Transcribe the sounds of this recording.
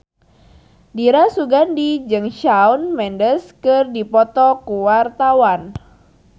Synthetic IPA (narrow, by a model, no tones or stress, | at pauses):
diɾasuɡandid͡ʒɨŋʃaunmɛndəskɨrdipɔt̪ɔkuwart̪awan